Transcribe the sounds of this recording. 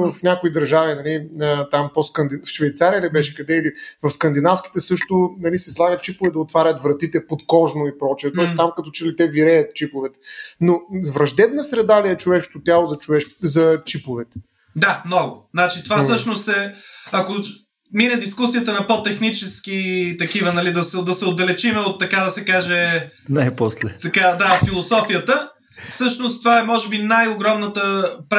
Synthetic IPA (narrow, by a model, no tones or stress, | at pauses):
vɐfnʲakoid̪ɐɾʒavinɐliət̪amposkɐnd̪ifʃvɛjt̪saɾijəlibɛʃɛ̥kɐd̪ɛilivɐfskɐnd̪inafskʲi̥t̪ɛsɤʃt̪ʊnɐlisɛslˠaɡət̪̚t͡ʃipovɛd̪ɐot̪vaɾʲɐt̪vɾɐt̪it̪ɛpot̪kɔʒnoipɾɔt͡ʃiɛt̪ɔɛst̪amkɐt̪ɔt͡ʃɛlit̪ɛviɾɛjɐt̪̚t͡ʃipovɛt̪ɛ̥novɾɐʒd̪ɛbnəsɾɛd̪aliɛt͡ʃovɛʃko̥t̪ot̪ʲjalˠozɐt͡ʃʊvɛʃkzɐt͡ʃipovɛt̪ɛ̥ | d̪amnɔɡʊznat͡ʃit̪ovasɤʃnost̪ɛɐko | minɛd̪iskusijət̪ənɐpot̪ɛxnit͡ʃɛsk̟it̪ɐkivənɐlid̪ɐsɛd̪ɐsɛod̪ːɐlɛt͡ʃimɛot̪ːɐkad̪ɐsɛkaʒɛnajposlɛt̪ɐkad̪afilˠosɔfijət̪ə | fsɤʃnost̪ːovaɛmɔʒɛbinajoɡɾɔmnət̪əpɾ